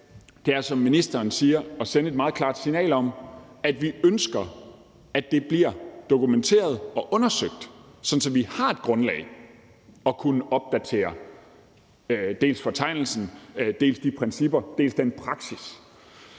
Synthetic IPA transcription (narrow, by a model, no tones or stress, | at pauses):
d̥e̝æɐsɒ̽mːinisd̥ɐːnsiːɐɒ̽senəe̝d̥mɑ̈ːð̩ˠkʰlɑ̰̈ːd̥sinɛ̰ːlɒ̽mæd̥ʋiønsɡ̥ɐ | æd̥e̝b̥liɐ̰d̥o̝kument͡sʰe̝̰ːɐð̞ˠɒ̽ʔɔ̽nɐsøɡ̥̚d̥sɒ̽n̩sɒ̽ʋihɑ̈e̝d̥̚ɡ̥ʁɔ̽nlɛ̰ːɪ | ɒ̽kʰunəʔɒ̽b̥̚d̥æt͡sʰe̝̰ːɐ | d̥e̝̰ːlsfɒ̽t͡sʰɑ̈ɪ̰nl̩sn̩d̥e̝̰ːlsd̥ipʰʁɛnsib̥ɐd̥e̝̰ːlsd̥enpʰʁɑ̈ɡ̥sis